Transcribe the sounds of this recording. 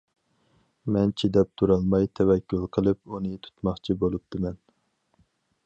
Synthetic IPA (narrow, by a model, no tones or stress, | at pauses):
mɛnt͡ʃʰid̪ɛp̚t̪ʰuɾɑlˠmɑjt̪ʰɛwɛkʲːulˠqʰəlˠɨpunɨt̪ʰu̥t̪mɑχt͡ʃʰibolˠup̚t̪ɨmɛn